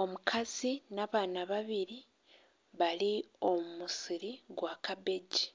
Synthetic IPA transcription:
o̞mukʰazinaːβaːnaβaβiɾi | βalio̞mumusiɾiɡwaːkabe̞ɟi

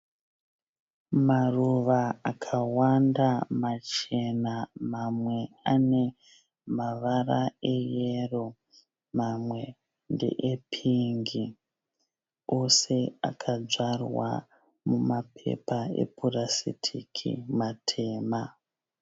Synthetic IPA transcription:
maruʋaakʰawandamat͡ʃe̞namamwe̞ane̞ | maʋarae̞jero̞ | mamwe̞ | ndḛʔepʰiŋɡi | o̞se̞a̰kʰad͡zarwa̰ | mumapʰe̞̰paḛpurasḭtʰḭkʰḭmatʰe̞ːma

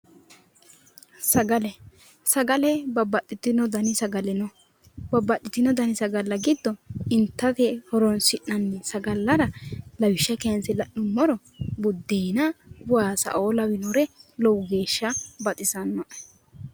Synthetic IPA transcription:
sɐɡɐlɛ | sɐɡɐlɛbɐbːɐt̪ːɪt̪ɪnɔd̪ɐnɪsɐɡɐlɛnɔ | bɐbːɐt̪ʼːɪt̪ːɪnɔd̪ɐnɪsɐɡɐlːɐɡɪd̪ːɔɪnt̪ːɐt̪ɛhɔɾɔnsɪʔːɐnːɛsɐɡɐlːɐɾɐlɐwɪʃːɐkɛɐnsɪlɐʔʊmːɔɾɔ | bʊd̪ːeːnɐbʊaːsɐ̰ʔoːlɐwɪnɔɾɛlɔwʊɡe̞ːʃːɐbɐt̪ʼɪsɐnːɔʔɛ

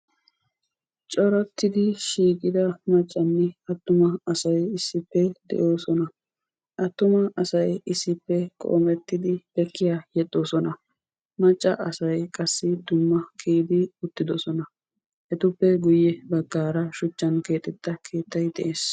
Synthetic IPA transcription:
t͡ʃʼɔɾɐt̪ːɪd̪ɪʃiːkʼɪd̪ɐmɐt͡ʃʼːɐnːɪɐt̪ːʊmɐɐsɐjɪsːɪpːɛd̪̥ɛ̰ʔo̞ːsɔnɐ | ʔɐt̪ːʊmɐɐsɐjɪsːɪpːɛkʼo̰ːmɛt̪ːɪd̪ɪb̥ɛkːɪjajɛɗːo̞ːsɔnɐ | mɐt͡ʃʼːɐ̰ʔɐsɐjkʼɐsːɪd̪ʊmːɐkʰeːd̪ɪʊt̪ːɪd̪ɔsɔnɐ | hɛt̪ʊpːɛɡʊjːɛbɐɡːaːɾɐʃʊt͡ʃːɐnke̞ːt̪ʼːɛt̪ːɐkʰe̞ːt̪ːɐjd̪ɛʔe̞ːs

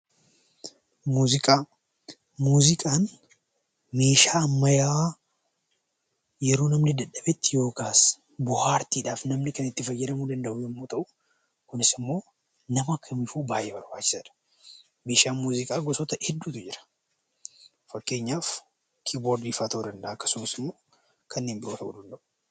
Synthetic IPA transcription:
muːzɪkʼaː | muːzɪkʼaːn | me̞ːʃaːɐmːɐjawa | jɛɾo̞ːnɐmnɪd̪ɐᶑɐbɛt̪ːɪjo̞ːkaːs | bʊhaːɾt̪iːᶑaːfnɐmnɪkɐnɪt̪ːɪfɐjːɛɾɐmuːd̪ɐnd̪ɐʔʊjɛmːoːt̪ɐʔʊ | kʊnɪsɪmːo̞ː | nɐmɐkʰːɐmifuːbaːjːeːbɐɾbaːt͡ʃːɪ̥sɐᶑɐ̥ | me̞ːʃaːnmuːzɪkʼaːɡɔsɔt̪ɐʔɪd̪ːuːt̪ʊd͡ʒɪɾɐ̥ | fɐkːe̞ːɲːaːf | kʰiːboːɾd̪iːfaːt̪ʔud̪ɐnd̪ɐʔaːɐkːɐ̥sʊmɐsɪmːo̞ː | kʰɐnːe̞ːnbɪɾo̞ːt̪ʰɐʔṵːd̪ɐnd̪ɐʔʊ

